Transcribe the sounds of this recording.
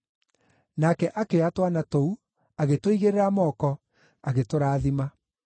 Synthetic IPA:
nakɛʔakeatwanatou | aɣetoiɣeɾeɾamɔːkɔ | aɣetoɾaːðima

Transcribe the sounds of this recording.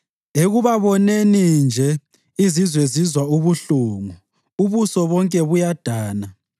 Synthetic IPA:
eɣuβaβɔnenind͡ʒʱɛ | izizwezizwauβuɬuŋu | uβusɔβɔŋkʼɛβujad̥ʱaːna

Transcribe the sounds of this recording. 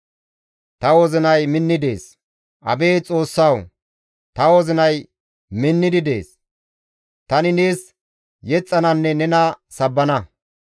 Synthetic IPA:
t̪ɐwɔzɪnɐjmɪnːɪd̪e̞ːs | ʔɐ̰be̞ːt͡sʼo̞ːsːɐw | t̪ɐwɔzɪnɐj | mɪnːɪd̪ɪd̪e̞̰ːs | t̪ɐnɪneːs | jɛt͡sʼːɐnɐnːɛnɛnɐsɐbːɐnɐ

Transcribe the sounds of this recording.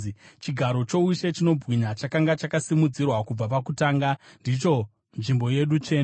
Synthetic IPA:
t͡ʃiɡʱaɾo̞t͡ʃo̞uʃe̞t͡ʃino̞bɣiɲat͡ʃakaŋɡat͡ʃakasimud͡zirwakub͡vapakutaːŋɡandit͡ʃo̞ | nʐimbo̞je̞ɗut͡ʃeːn

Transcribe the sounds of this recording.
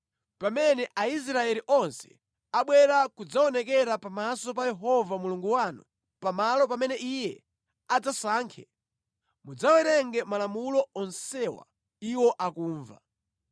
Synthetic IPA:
pamɛnɛʔais̬ɾaɛliʔɔnsɛ̥̰ | aɓwɛɾakud͡zaɔnɛkɛɾapamasɔpajɛɦɔvamuluŋɡuwanṵ | pamalɔpamɛnɛʔijɛ | ad͡zasaːŋkʰɛ̰ | mud͡zawɛɾɛŋɡɛmalamulɔɔnsɛwa̰ | iwɔʔakuːɱva̰

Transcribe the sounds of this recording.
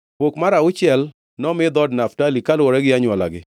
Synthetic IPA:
pokmaɾaʊt͡ʃɪɛl | nɔmɪd̪ɔdnaftalikalwɔɾɛɡɪaɲwɔla̰ɡɪ

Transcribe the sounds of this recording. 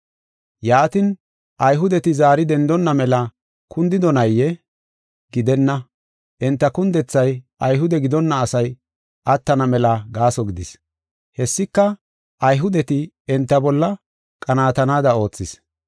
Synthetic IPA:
jaːt̪ɪn | ʔɐjɦʊd̪ɛt̪ɪzaːɾɪd̪ɛnd̪ɔnːɐmɛlɐ | kʊnd̪ɪd̪ɔnɐjːɛ | ɡ̥ɪd̪ɛnːɐ | ʔɛnt̪ːɐkʊnd̪ɛt͡sːɐjʔɐjɦʊd̪ɛɡɪd̪ɔnːɐːsɐj | ʔɐt̪ːɐnɐmɛlɐɡaːsɔɡɪd̪ɪs | hɛsːɪkːɐ | ʔɐjɦʊd̪ɛt̪ɪ | ɛnt̪ːɐbɔlːɐ | kʼɐnaːt̪ɐnaːd̪ɐo̞ːt͡sːɪs

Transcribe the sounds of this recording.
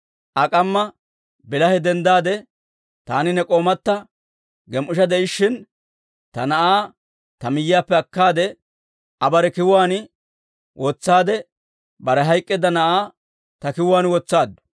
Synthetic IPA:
ʔɐkʼɐmːɐ | bɪlɐhɛd̪ɛnd̪aːd̪ɛ | t̪aːnɪnɛkʼo̞ːmɐt̪ːɐ | ɡɛmʔʊʃɐd̪ɛʔɪʃːɪn | t̪ɐnɐʔaː | t̪ɐmɪjɪjaːpːɛɐkːaːd̪ɛ | ɐbɐɾɛkɪwwaːnɪ | wʔot͡sːaːd̪ɛ | bɐɾɛɦɐjkʼːɛd̪ɐnɐʔaː | t̪ɐkɪwʊaːnwɔt͡sːaːd̪ːʊ̥

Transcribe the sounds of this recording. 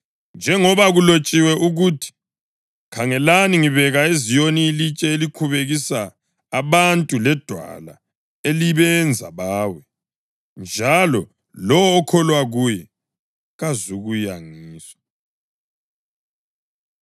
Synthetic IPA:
nd͡ʒʱɛŋɔβaɣulot͡ʃʼiwɛʔuɣutʰi̥ | kʰaŋɛlaniŋiβɛɣaezijoniːlit͡ʃʼɛeliǃʰuβeɣisaː | βantʼulɛd̥ʱwa̰la̰ | eliβɛnd͡zʱa̰βaːwɛ | nd͡ʒʱalɔ | lɔwɔːkʰɔlwaɣujɛ | ɣazuɣujaŋiːsḁ

